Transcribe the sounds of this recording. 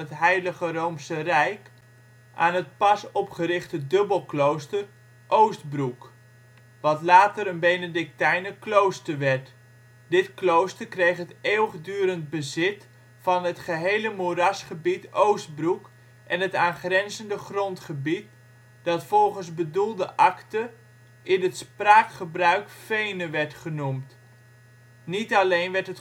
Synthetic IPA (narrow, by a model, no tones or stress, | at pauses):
ətɦɛjləχərowmsərɛjk | ʔa̰ːnɦət̚pɑsɔpχəɾɪχtədɵbəlˠklowstər | ʔowsd̚bruk | ʋɑtlaːtəɾənbejnədɪk̚tɛjnəklowstəɹʋɛɹt | dɪtklowstərkrejχɦəteːwəχdyːɾənd̚bəzɪt | fɑnɦətχəɦejləmuɾɑsχəbitowsd̚bruk | ʔɛnɦətaːnχrɛnzəndəχrɔntχəbit̚ | d̥ɑtfɔlˠχənzbədulˠdəʔɑktə | ʔɪnətspraːkχəbrœɥkfejnəʋɛɹtχənumt | nitɑlejnʋɛɹtɦət